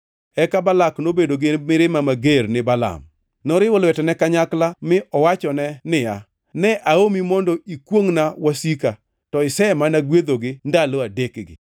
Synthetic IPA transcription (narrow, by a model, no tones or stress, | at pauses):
ɛkabalaknobedoɡɪmɪɾɪmamaɡernɪbala̰m | nɔɾɪwɔlwɛtɛnɛkaɲaklamɪʔɔwat͡ʃɔnɛnɪja | nɛʔaomimɔndɔikwoŋnawasika | tɔɪsɛmanaɡwed̪oɡɪndaloadekɡɪ̰